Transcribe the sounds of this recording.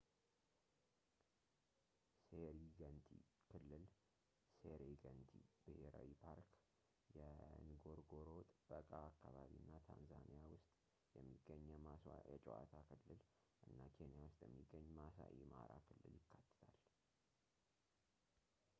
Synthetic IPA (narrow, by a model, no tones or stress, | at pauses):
seɾiɡənt̪ʰikʰɨlːɨl | seɾeɡənt̪ʰibɨheɾa̰wipʰaɾk | jɛnɨɡo̞ɾɡo̞ɾo̞t̪ʼb̥əkʼaːkːaβaβinːat̪ʰanzanijawʊst̪ʼ | jɛmːiɡ̥ːəɲːjɛmasjɛt͡ʃʼɛʔa̰t̪ʰakʰɨlːɨl | ʔɨnːakʰe̞nijawʊst̪ʼjɛmːiɡːəɲːmasa̰ʔima̰ɾakʰɨlːɨljɪkːat̪ːɨ̥t̪ʰal